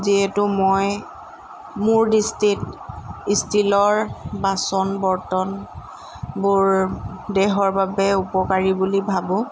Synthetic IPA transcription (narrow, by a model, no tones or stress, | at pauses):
ziɛtʊmoj | mʊɹdistitistʰilɔɹbasɔnbɔɹtɔn | bʊɹdɛɦɔɹbabɛupɔkaɹibulibʱabʊ̃